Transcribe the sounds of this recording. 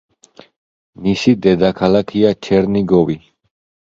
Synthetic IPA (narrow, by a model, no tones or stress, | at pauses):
nisid̪ɛd̪akʰalakʰiat͡ʃʰɛɾniɡɔvi